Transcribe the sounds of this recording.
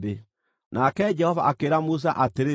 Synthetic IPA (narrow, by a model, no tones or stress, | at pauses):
be | nakɛd͡ʒɛhɔvaʔakeɾamus̬aʔateɾe